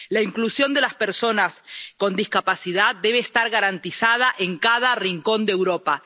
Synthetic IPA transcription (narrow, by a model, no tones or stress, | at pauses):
laiŋklusjo̞nd̪e̞laspe̞ɾso̞nasko̞nd̪iskapasiðaðde̞β̞e̞ːst̪aɾɣaɾant̪isað̞aʔe̞ŋkaðariŋko̞nd̪ewɾo̞pa